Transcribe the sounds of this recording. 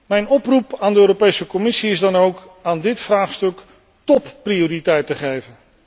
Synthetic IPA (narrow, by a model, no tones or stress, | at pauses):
mɛjnɔprupaːndəøːropejsəkɔmɪsiɪzdɑnowk | aːndɪtfraːχstɵk | tɔpːrioːritɛjtəχejvən